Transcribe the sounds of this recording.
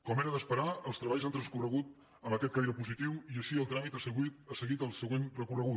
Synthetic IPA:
kɔmeɾəðəspəɾaəlˠst̪ɾəβaʎzant̪ɾənskurəɣut̪ | əməkɛt̪kajɾəpuzit̪iwiəʃiəlˠt̪ɾamit̪əsəɣwit̪əsəɣit̪əlˠsəɣwenrəkurəɣu

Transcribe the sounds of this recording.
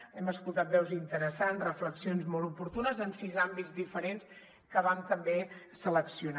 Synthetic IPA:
ɛməskulˠt̪at̪̚bɛwzint̪əɾəsanzrəfləksionzmɔlˠupuɾt̪unəzənsizambid͡zd̪ifəɾens | kəβant̪əmbe | sələksiuna

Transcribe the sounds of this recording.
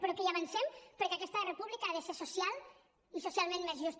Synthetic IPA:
pɾokejaβansɛmpəɾkeakɛst̪ərepuβlikaaðesesusjalˠ | isusjalˠmẽnmezʒust̪

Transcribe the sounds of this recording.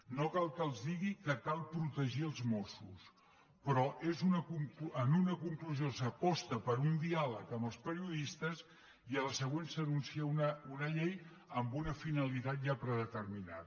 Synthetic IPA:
nokalˠkəlˠzðiɣikəkalˠpɾut̪əʒiəlˠzmosus | pɾɔʔezunəkuŋkənunəkuŋkluzijosəpɔst̪əpəɾund̪ialəkəmbəlˠspəɾiuðist̪əz | iələsəɣwensənunsiəunəunəʎej | əmbunəfinəlit̪at̪̚ʒapɾəðət̪ərmina̰ð

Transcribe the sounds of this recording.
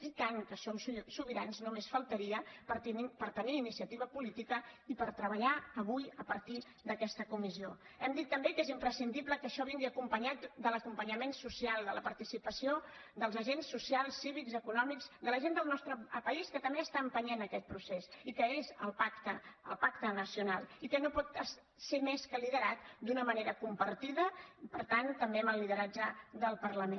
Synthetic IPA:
kit̪aŋkəsomssuβiɾanznumesfəlˠt̪əɾiəpəɾt̪inipəɾt̪əniːnisiət̪iβəpulit̪ikəipəɾt̪ɾəβəʎaəβujəpəɾt̪i | d̪əkɛst̪əkumizio | ɛmd̪it̪ːəmbekezimpɾəsind̪ibləkəʃɔβiŋɡiəkumpəɲat̪d̪ələkumpəɲəmensusialˠd̪ələpəɾt̪isipəsiod̪əlˠzəʒensːusialˠsːiβikzəkunɔmikzd̪ələʒend̪əlˠnɔst̪ɾəpəiskət̪əmbeəst̪aəmpəɲenəkɛt̪̚pɾusesikəezəlˠpakt̪əːlˠpakt̪ənəsiunalˠikənopɔt̪ə | semeskəliðəɾat̪d̪unəməneɾəkumpəɾt̪iðəpəɾt̪ant̪əmbeəməlːið̞əɾad͡ʒəðəlˠpərləme

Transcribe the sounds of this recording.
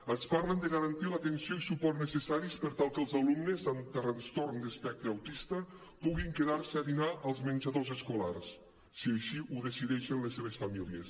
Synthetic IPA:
ənspaɾlənd̪əɣəɾənt̪ilat̪ensioisupɔrnəsesaɾispəɾt̪alˠkəlˠzalumnəzant̪ərənst̪oɾnd̪əspɛk̚t̪ɾeawt̪ist̪ə | puɣiŋkeðaɾsəaðinaʔəlˠzmənʲd͡ʒəðozəskulars | siəjʃiuðesiðɛʃenlesːeβ̞esfamilies

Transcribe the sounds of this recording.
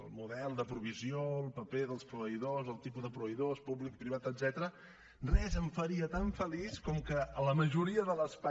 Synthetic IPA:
əlˠmuðɛlˠd̪əpɾuβ̞izioəlˠpəpeðəlˠspɾuβəiðozəlˠt̪ipuzðəpɾuβəjðospublik̚pɾiβat̪əd̪zɛt̪əɾə | rɛzəɱfəɾiət̪aɱfəliskɔmkəələməʒuɾiəðələspa

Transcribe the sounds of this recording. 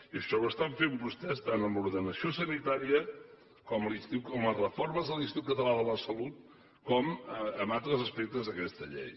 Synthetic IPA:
iəʃɔwəst̪aɱfeumbust̪ɛst̪anəmuɾðənəsiosənit̪aɾiə | kɔmlist̪iwkɔmlərəforməzðəlˠist̪iwkət̪əlaðələsəlut̪̚ | kɔməəmalˠt̪ɾəzəspɛk̚t̪əzðəkɛst̪əʎḛj

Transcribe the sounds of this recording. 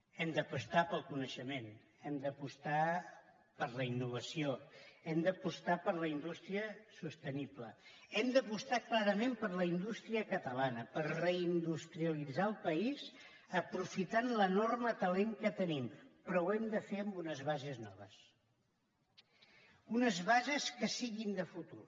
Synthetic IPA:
ɛmd̪əpəst̪apəlˠkunəʃəmen | ɛmd̪əpust̪a | pəɾləinːuβ̞əsioɛmd̪əpust̪apəɾləind̪ust̪ɾiəsust̪ənipləɛmd̪əpust̪aklaɾəmempəɾləind̪ust̪ɾiəkət̪əlanəpəɾrəind̪ust̪ɾiəlid͡zaəlˠpəiz | əpɾufit̪anlənormət̪əleŋkət̪ənimpɾɔwɛmd̪əfeəmbunəzβazəznɔ̰β̞əs | unəzβazəskəsiɣind̪əfut̪ur

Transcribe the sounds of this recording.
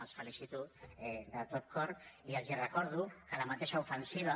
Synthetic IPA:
asfalisit̪ud̪at̪op̪̚koɾiazirekoɾðukalamat̪eʃaufensiβa

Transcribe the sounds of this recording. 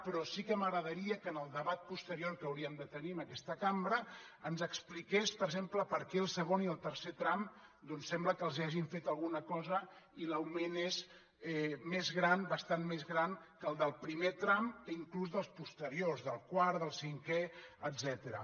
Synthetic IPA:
pɾɔsikəməɣɾəðəɾiəkənəlˠd̪əβat̪̚pust̪əɾioɾkəwɾiəmd̪ət̪əniməkɛst̪əkambɾəənzəksplikespəɾɡʒempləpəɾkɛəlˠsəɣoniəlˠt̪əɾset̪ɾamd̪ɔnsːɛmbləkəlˠziaʒiɱfet̪əlˠɣunəkɔzəiləwmenez | ɛmezɣɾanbəst̪anmezɣɾaŋkəlˠd̪əlˠpɾimet̪ɾaməiŋkluzðəlˠspust̪əɾiozðəlˠkwaɾðəlˠsiŋkɛəd̪zɛt̪əɾə̰

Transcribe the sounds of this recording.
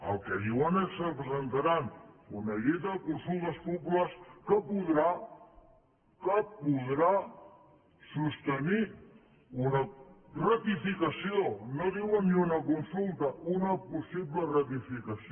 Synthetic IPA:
ə̰lˠkeðiwənessəpɾəzənt̪aɾanunəʎet̪əðəkunsulˠt̪əspupulaskəpuðɾa | kəpuðɾa | sust̪əni | unərət̪ifikəsionoðiwəniunəkunsulˠt̪əunəpusiβlərət̪ifikɐsi

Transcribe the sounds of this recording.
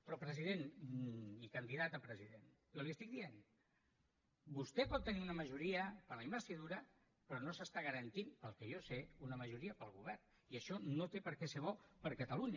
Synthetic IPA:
pɾɔpɾəziðen | ikənd̪iðat̪əpɾəziðen | joliəst̪ik̚d̪ien | bust̪ɛpɔt̪ːəniunəməʒuɾiəpəɾləiməst̪iðuɾə | pɾɔnosəst̪aɣəɾənt̪inpəlˠkɛjoseunəməʒuɾiəpəlˠɣuβ̞ɛrn | iəʃɔnot̪epəɾkɛseβɔpəɾkət̪əluɲ

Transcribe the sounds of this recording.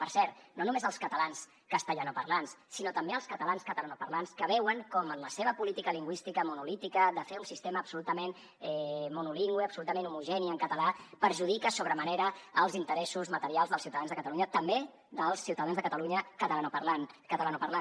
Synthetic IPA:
pəɾsɛɾt̪nonumezəlˠskət̪əlans | kəst̪əʎanopəɾlanssinot̪əmbeəlˠskət̪əlanskət̪əlanopərlanskəβɛwəŋkɔmənləseβ̞əpulit̪ikəliŋɡwist̪ikəmunulit̪ikəðəfeunsist̪eməːpsulut̪əmen | ɛmunuliŋɡwiəpsulut̪əmenumuʒɛniəŋkət̪əlapəɾʒuðikəsoβɾəməneɾəəlˠzint̪əɾɛsuzmət̪əɾialˠzðəlˠsiuwt̪aðanzðəkət̪əluɲət̪əmbe | ðəlˠsːiuwt̪əðanzðəkət̪əluɲəkət̪əlanopəɾlankət̪əlanopəɾlan

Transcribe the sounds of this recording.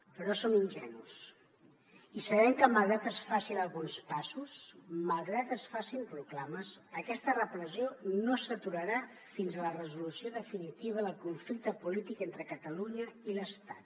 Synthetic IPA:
pəɾɔsominʲʒɛnus | isəβ̞ɛmkəməlˠɣɾat̪əsfasinəlˠɣunspasusməlˠɣɾat̪əsfasinruklaməsəkɛst̪ərəpɾəzionosət̪uɾəɾa | finzələrəzulusioðəfinit̪iβ̞əðəlˠkuɱflik̚t̪əpulit̪ikent̪ɾəkət̪əluɲəiləst̪at̪̚

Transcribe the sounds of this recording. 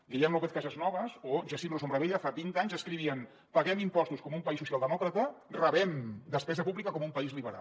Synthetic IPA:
ʎijɛnlopeθkazəznɔβ̞əzoʒasimlosomɾəβeʎəfabint̪aɲzəskɾiβiən | pəɣɛmimpɔst̪uskɔmumpɐisːusialˠd̪əmɔkɾət̪ərəβɛmd̪əspɛzəpuβlikəkɔmumpəizliβəɾa̰

